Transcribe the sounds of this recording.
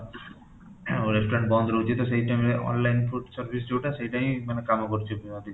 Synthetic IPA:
ɾesʈoɾeɳʈ̚bɔnd̪ʱɾoɦut͡ɕit̪oʃejʈameɔ̰nlajnfuʈsaɾbʱis̬d͡ʑowʈaʃejʈajmanekamokoɾt͡ɕʰebiad̪ʱi

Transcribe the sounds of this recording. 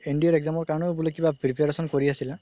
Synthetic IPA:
endiɔɹɛɡzamɔɹkaɹnɔbulojkibapɹipeɹesɔnkoɹiasilɛ

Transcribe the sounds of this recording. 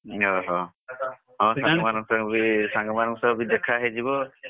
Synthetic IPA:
ɔɦɔ̃ | ɦɔ̃saɡmanɔŋsabisaŋɡɔmanɔŋsɔbid̪ɛkʰaɦed͡ʒibɔ

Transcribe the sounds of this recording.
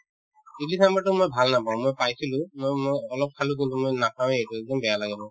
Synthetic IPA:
ilisamatʊmojbʱalnapaʊ̃mojpajsilʊ̃mojmojɔlɔp̚kʰalʊ̃k̬intumojnapaw̃ejtuɛɡ̚dɔmbɛjalaɡɛnɔ

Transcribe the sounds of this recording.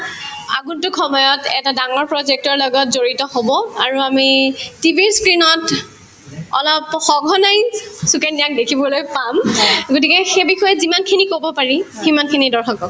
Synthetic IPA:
a̰ɡuntʊkʰɔmɔjɔtɛ̰tadaŋɔɹpɹɔzɛk̚tɔɹlɔɡɔtzoɹitɔɦobɔaɹuamitibiskɹinɔt | ɔ̰lɔpxɔɡʱɔnajsukɛndiak̚dekʰibɔlojpamɡot̬ikɛxebixɔjɛzimankʰinikobɔpaɹiximankʰinidɔɹxɔkɔ

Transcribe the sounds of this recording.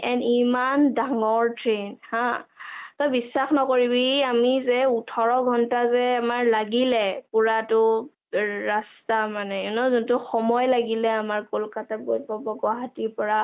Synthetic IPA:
ɛnimandaŋɔɹtɹenhãtɔjbisːaxnɔkoɹibiamizɛutʰɔɹɔɡʱɔntazɛamaɹlaɡilɛpuɹatʊ | ɹastamanɛɔnɔzuntʊxɔmɔjlaɡilɛamaɹkolkatabotbɔbɔɡɔɦatipɔɹa

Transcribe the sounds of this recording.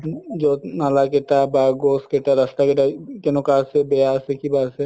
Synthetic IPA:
d͡ʒonalakeʈabaɡoːskeʈaɾɐst̪akeʈakenokaːsebeasekibaːse

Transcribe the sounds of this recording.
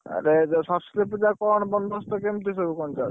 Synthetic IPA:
a̰ɾed͡ʒsɔslepd͡ʒakɔɳbɔnd̪ʱɔst̪ɔkemt̪is̬obukɔnt͡ʃa

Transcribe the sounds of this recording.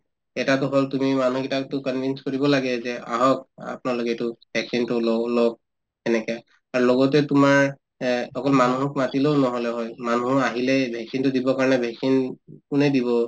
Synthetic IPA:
ɛtatʊɦoltumimanukitaktʊkɔnbʱinskoɹibɔlaɡɛzɛa̰ɦɔka̰pʊnalokɛtʊbʱɛksintʊlɔlɔk̚ | ɛnɛka | aɹulɔɡɔtɛtumaɹ | xɔkɔlmanuɦɔkmatileʊnɔɦɔlɛɦɔjmanuaɦilɛbʱɛksintʊdibɔkaɹɔnɛbʱɛksinkunɛdiβɔ

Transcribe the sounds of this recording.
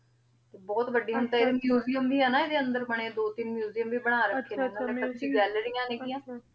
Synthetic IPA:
t̪eːbɔːt̪ʋəɖːiːɦʊnt̪aeːd̪emjuːzijəmʋiːɛːnaːed̪eːənd̪əɾbəɳ̃eːd̪oːt̪ɪnmjuːzijəmʋiːbəɽ̃aːɾəkʰːeːenːət͡ʃʰiːɡɛːləɾijãːneːɡiːjãː

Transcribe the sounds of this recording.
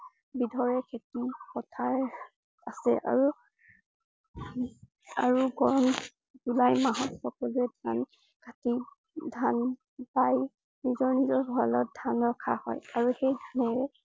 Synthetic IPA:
bidʱɔɹɛkʰetixɔtʰaɹ | asɛ̰ʔa̰ɹu | aɹuɡɔɹɔn | zulajmaɦɔtxɔkɔluɛdʱan | kʰati | dʱan | paj | nizɔɹnizɔɹɦualɔt̚dʱanɹɔkʰahɔ̰jaɹuxejdʱanɛɹɛ

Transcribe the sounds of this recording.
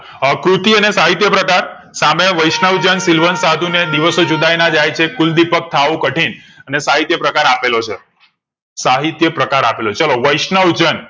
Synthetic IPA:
kɾut̪iənesaɦit̪jəpɾəkaɾ | sameʋəjʃnəʋd͡ʒənsilʋənsad̪ʱuned̪iʋəsod͡ʒud̪ajnãd͡ʒajt͡ʃʰekuld̪ipək̚t̪ʰaʋũkəʈʰinənesaɦit̪jəpɾəkaɾapelot͡ʃʰe | saɦit̪jəpɾəkaɾapelot͡ʃəloʋəjʃnəʋd͡ʒən

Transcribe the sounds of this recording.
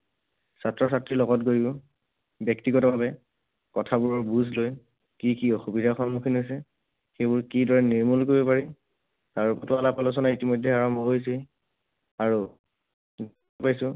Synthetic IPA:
satɹɔsatɹilɔɡɔtɡoɹiʊ | bjɛktiɡɔtɔbabɛ | kɔtʰabʊɹɔɹbuzʱloj | kikiɔxubidʱaxɔnmukʰinɦojsɛ | xejbʊɹkidɔɹɛniɹmulkoɹibɔpaɹi | taɹupɔtʊalapalɔs̬ɔnaitimɔjdʱɛaɹɔmbɔɦojs̬i | aɹu | d | pajsʊ̃

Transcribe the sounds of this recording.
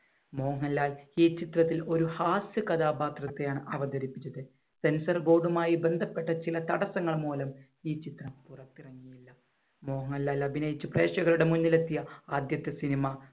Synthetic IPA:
mo̞ːŋɐlːaːliːt͡ɕit̪rɐt̪̬ːilo̞ɾuhaːsjɐkɐd̪aːbaːt̪rɐt̪ːejaːɳɨʔɐʋɐd̪ɐɾipːit͡ɕːɐðɨ | se̞nsɐrɡo̞ːɖumaːjibe̞nd̪ʱɐpːe̞ʈːɐt͡ɕilɐt̪ɐɽɐsɐŋːɐɭmuːlɐm | iːt͡ɕit̪rɐmpurɐt̪ːirɐŋːijilːɐ | mo̞ːŋɐlːaːlːɐbʱinɐjit͡ɕːɨpre̞ːʂɐɣɐɭuɽe̞munːilet̪ːijɐaːd̪jɐt̪ːɐsinima

